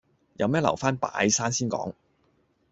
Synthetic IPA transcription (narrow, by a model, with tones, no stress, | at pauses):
jɐ˨˧wmɛː˥lɐ̰˨˩wfaː˥npa̰ː˨˧˥jsaː˥nsiː˥nkɔ̰ː˨˥ŋ